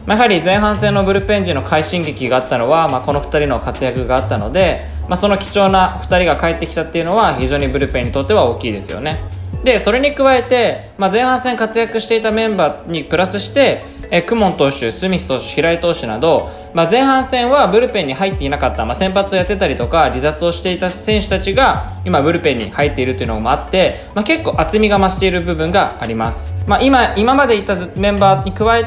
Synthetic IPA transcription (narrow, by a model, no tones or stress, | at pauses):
majaɦaɾʲid͡zzẽ̞ɰ̃ɦãɰ̃sẽ̞nːo̞bɯ̟ɾɯ̟pẽ̞ɲ̟d͡ʑino̞kʰaiɕĩŋɡʲikʲiɡaːt̪ːano̞βamako̞no̞ɸɯ̟̥t̪aɾʲino̞kat͡sɨjakɯ̟ɡaːt̪ːano̞̰d̪e̞ | maso̞no̞kʲi̥t͡ɕo̞ːnaɸɯ̟t̪aɾʲiɡakae̞t̪ːe̞kʲi̥t̪at̪ːe̞iɯ̟no̞βaçiʑo̞ːɲ̟ibɯ̟ɾɯ̟pẽ̞ɲ̟ːit̪o̞t̪ːe̞β̞ao̞ːkʲiːd̪e̞sɨ̰jo̞̰ne̞d̪e̞so̞ɾe̞ɲ̟ikɯ̟βae̞t̪e̞ | mazẽ̞ɰ̃hãɰ̃sẽ̞ŋkat͡sɨjakɯ̟ɕi̥t̪e̞it̪amẽ̞mbaːɲ̟ipɯ̟ɾasɨɕi̥t̪e̞ | kɯ̟mõ̞nt̪o̞ːɕɨsɨmʲist̪o̞ːɕɨ̥çiɾait̪o̞ːɕɨna̰d̪o̞ | mad͡zẽ̞ɰ̃ɦãɰ̃sẽ̞ɰ̃βabɯ̟ɾɯ̟pẽ̞ɲ̟ːihait̪ːe̞inakat̪ːamasẽ̞mpat͡sɨo̞jat̪ːe̞t̪aɾʲit̪o̞kaɾʲizat͡sɨo̞ɕi̥t̪e̞it̪asẽ̞ɰ̃ɕɨ̥t̪at͡ɕiɡaimabɯ̟ɾɯ̟pẽ̞ɲ̟ːḭhait̪ːe̞iɾɯ̟t̪ojiɯ̟noo̰mo̞at̪ːe̞ | make̞kːo̞ːʔat͡sɨmʲiɡamaɕi̥t̪e̞iɾɯ̟bɯ̟bɯ̟̃ŋɡaːɾʲimasɨ̥maʔimaimamad̪e̞it̪ːamẽ̞mbaːɲ̟ikɯ̟βae